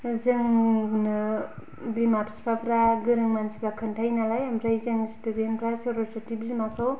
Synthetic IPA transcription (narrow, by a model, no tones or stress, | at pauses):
zɯŋunɯ | bimapspʰapɾaɡɯɾɯŋmansipɾakʰɯntʰajnalajamɾajzɯŋstudenpʰɾasewɾɔsutibizimakʰaw